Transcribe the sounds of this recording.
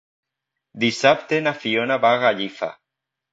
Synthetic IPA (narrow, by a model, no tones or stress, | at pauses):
d̪isap̚t̪enafionaβaɣaʎifa̰